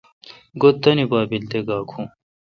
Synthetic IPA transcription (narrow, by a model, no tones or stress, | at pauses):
ɡot̪ːɐnibaːbild̪eɡaːkʰũ